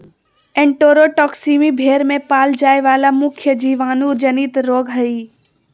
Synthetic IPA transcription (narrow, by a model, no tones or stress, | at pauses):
ẽɳʈoːɾoʈɔːksiːmibʱeːɾmẽpaːld͡ʒaːeʋaːlamʊkʰjəd͡ʒiːʋaːnũd͡ʒɐnit̪ɾoːɡɦɐiː